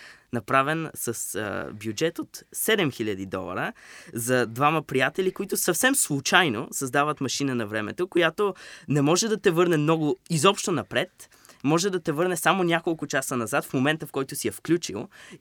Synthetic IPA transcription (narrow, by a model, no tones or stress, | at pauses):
nɐpɾavɛnsəsbjud͡ʒɛt̪ot̪sɛd̪ɛmxilʲɐd̪id̪ɔ̰lˠɐ̰ɾəzɐd̪vaməpɾijat̪ɛlʲikoit̪ʊsɐfsɛmslˠʊt͡ʃajno̰sɐzd̪avət̪mɐʃinənɐvɾɛmɛ̰t̪okojat̪onɛmɔʒɛd̪ɐt̪ɛvɤɾnɛmnɔɡʊizɔpʃt̪onɐpɾɛt̪ | mɔʒɛd̪ɐt̪ɛvɤɾnɛsamonʲakolˠkʊt͡ʃasənɐzat̪fmomɛnt̪əfkɔjt̪ʊsiɛfklʲut͡ʃḭlˠ